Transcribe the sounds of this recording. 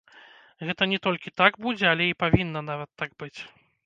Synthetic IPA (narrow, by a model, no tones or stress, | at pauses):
ɣɛt̪ɐnʲɛt̪ɔlʲkʲit̪aɡbud͡zʲɛalʲɛipavʲinːɐnavɐt̪ːaɡ̚bɨt͡sʲ